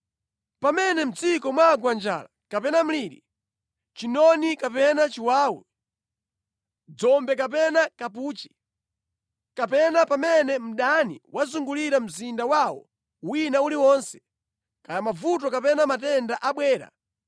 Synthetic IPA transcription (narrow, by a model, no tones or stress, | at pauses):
pamɛnɛm̩t͡sikɔmwaɡwand͡ʒa̰ːlakapɛnam̩liɗi | t͡ʃinɔnikapɛnat͡ʃiwaːwɛ | d͡zɔmbɛk̬ap̬ɛnakap̬uːt͡ʃi̥ | kapɛnapamɛnɛm̩ɗanḭwʔazuŋɡuliɾam̩zindawawɔ̰ | winauliwɔnsɛ̥ | kajamavut̬ɔkapɛnamatɛndaʔaɓwɛːɾa̰